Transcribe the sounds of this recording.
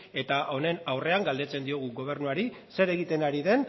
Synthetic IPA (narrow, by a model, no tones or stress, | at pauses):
e̞t̪aʔo̞ne̞nawre̞aŋɡald̪e̞t͡se̞nd̪io̞ɣ̞uɣo̞β̞e̞ɾnuaɾi | se̞ɾe̞ɣ̞it̪e̞naɾiðe̞n